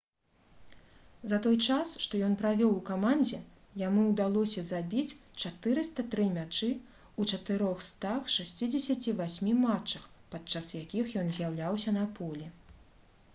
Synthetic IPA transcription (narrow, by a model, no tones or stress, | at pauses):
zɐt̪ɔjt͡ʂasʂt̪ɔjɔnpɾavʲɔwukamand͡zʲɛ | jamuwd̪alˠɔsʲɐzabʲit͡sʲt͡ʂat̪ɨɾɨst̪ɐt̪ɾɨmʲat͡ʂɨ | ut͡ʂɐt̪ɨɾɔxst̪axʂasʲt͡sʲid͡zʲɛsʲɐt͡sʲivasʲmʲimat͡ʂːɐxpat̪̚t͡ʂasjakʲixjɔnzʲjawlʲawsʲɐnɐpʰɔlʲɛ